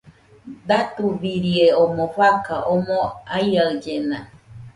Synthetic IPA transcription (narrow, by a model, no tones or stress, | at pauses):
d̪at̪uβiɾieomõɸakaʔomõajaɯd͡ʒenã